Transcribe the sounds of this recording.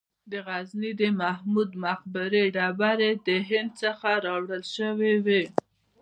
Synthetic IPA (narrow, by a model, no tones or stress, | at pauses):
d̪əɣaznid̪əmahmud̪maxbɪɾeɖɑbaɾed̪əɦɪnd̪̚səxaɾɑwɽəlʃəwewe